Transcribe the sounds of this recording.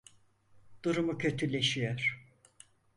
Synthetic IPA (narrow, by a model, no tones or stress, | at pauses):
d̪̥uɾumucʰø̞t̪ʰylʲe̞ʃijøɾ̥